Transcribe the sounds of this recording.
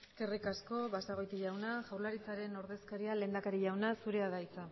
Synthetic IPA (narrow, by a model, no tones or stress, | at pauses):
eske̞rikasko̞βasaɣ̞o̞jt̪iʎawnaʝawɾlaɾit͡saɾe̞no̞ɾðe̞skaɾiale̞nd̪akaɾiʎawnasuɾe̞aðajt͡sa